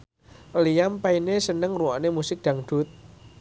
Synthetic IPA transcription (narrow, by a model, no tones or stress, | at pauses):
lijampainesənəŋruwanemusɪk̚d̪̥a̤ŋɖ̪̥ʊ̤t̪̚